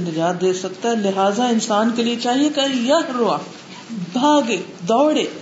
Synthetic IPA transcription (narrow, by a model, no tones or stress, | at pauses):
nɾjaːd̪̚d̪eːsɐkt̪aɦɛlɪɦaːzaɪnsaːnkeliet͡ʃaːɦiekɐjɐɾoaː | bʱaːɡeː | d̪ɔːɽeː